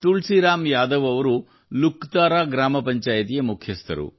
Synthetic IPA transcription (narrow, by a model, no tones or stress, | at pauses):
t̪uɭsiɾaːmjaːd̪ɐʋɐʋɐɾu | lukt̪aːɾaːɡɾaːmɐpɐɲt͡ʃaːjt̪ijɐmukʰjɐst̪ɐ̰ɾṵ